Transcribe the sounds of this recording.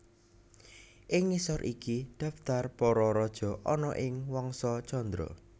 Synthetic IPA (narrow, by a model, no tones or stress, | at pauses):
ʔɪŋːisɔɾʔikid̪̥ä̤ft̪arpɔɾɔɾɔd̥ʒ̥ɔ̤ʔɔnɔʔɪŋwɔŋsɔt͡ʃɔnd̪ɾɔ̰